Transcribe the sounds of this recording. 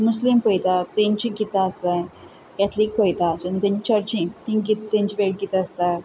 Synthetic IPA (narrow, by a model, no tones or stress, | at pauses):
muslimpəjt̪at̪ĩɲt͡ɕĩɡit̪aəst̪aj | kɛt̪ʰlik̚pəjt̪at͡ɕañit̪jãɲt͡ɕit͡ɕəɾt͡ɕĩt̪ĩɡit̪t̪ːẽɲt͡ɕiʋeʈ̚ɡit̪aəst̪a